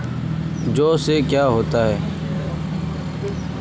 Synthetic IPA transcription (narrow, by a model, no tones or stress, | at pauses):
d͡ʒoːseːkjaːɦoːt̪aːɦɛː